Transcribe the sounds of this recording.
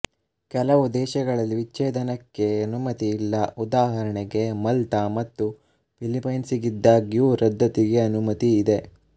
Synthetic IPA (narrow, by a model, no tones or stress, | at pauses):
kɛlɐʋud̪ɛːʃɐɡɐɭɐlːiʋiːeːd̪ɐnɐkːe̞ɐnumɐt̪iːlːɐud̪aːɦɐɾɐɳɛɡe̞mɐlt̪ɐmɐt̪ːu | pʰilipɐjnsiɡid̪ːɐɡjuːɾɐd̪ʱːɐt̪iɡe̞ɐnumɐt̪iːd̪e̞